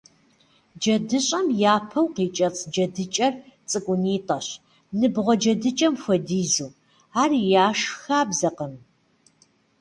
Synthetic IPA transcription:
d͡ʒɐdɨɕʼɐmjaːpʰɐwqiːt͡ʃʼɐt͡sʼʰd͡ʒɐdɨt͡ʃʼɐrt͡sʼɨkʷʼʊniːtʼɐɕ | nɨbʁʷɔd͡ʒɐdɨt͡ʃʼɐmfʷɐdiːzuː | aːrjaːʂxaːbzɐqəm

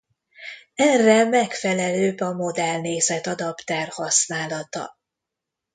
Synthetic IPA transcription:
ɛrːɛmɛkfɛlɛløːbɒmo̞d̪ɛlneːzɛt̪ɒd̪ɒpt̪ɛrhɒsnaːlɒt̪ɒ̰

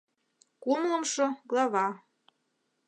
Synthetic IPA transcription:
kumlɤmʃŏɡlˠɑβɑ

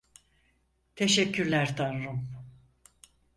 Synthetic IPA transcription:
t̪ʰeʃɛcʰːyɾlʲæɾt̪ʰanɾum

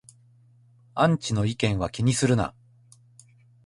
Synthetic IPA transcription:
ãɲ̟t͡ɕino̞ikẽ̞ɰ̃βakʲiɲ̟isɨɾɯ̟na̰

